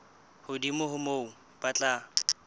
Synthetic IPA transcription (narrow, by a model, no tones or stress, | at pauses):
hʊdimʊhʊmoʊ | pʼat͡ɬʼaː